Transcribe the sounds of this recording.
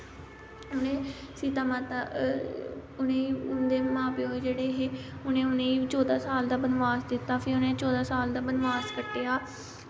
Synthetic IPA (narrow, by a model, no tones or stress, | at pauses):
ʊnẽː | siːt̪aːmãːt̪a | ʊnẽːiːʊnd̪eːmãːpɪjoːd͡ʒeːɽeːɦeːʊnẽːʊnẽːiːt͡ʃɔːd̪aːsaːld̪aːbənʋaːsd̪ɪt̪ːaːpʰeːʊnẽːt͡ʃɔːd̪aːsaːld̪aːbənʋaːskəʈːeːaː